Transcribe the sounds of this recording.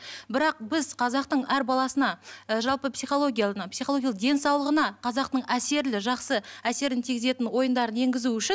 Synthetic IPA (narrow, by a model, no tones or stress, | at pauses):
bɪɾɑq̚bɪzqʰɑzɑqt̪əɴæɾbɑlˠɑsənɑʒɑlˠpəpsijχo̞lˠo̞ɡʲijapsijχolˠoɡʲjalˠəq̚d̪e̞nsɑwlˠəʁənɑqʰɑzɑqt̪əɴæse̞ɾlɪʒɑqsəæse̞ɾɪnt̪ʰiɡʲɪze̞t̪ɪnwo̞jənd̪ɑɾəne̞ŋɡʲɪzuʏʃɪn